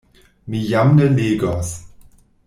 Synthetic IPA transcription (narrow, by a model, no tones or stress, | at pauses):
mijamnəneːɡɔs